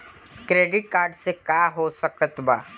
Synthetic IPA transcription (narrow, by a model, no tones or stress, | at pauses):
kɾeːɖɪʈ̚kaːɾɖsekaːɦosəkət̪ba̰ː